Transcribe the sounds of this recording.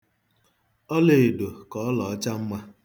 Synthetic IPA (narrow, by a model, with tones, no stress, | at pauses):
ɔ˦le˨e˨do˨kɔ˨ɔ˦lɔ˨ɔ˦t͡ʃa˦m̩˦ma˦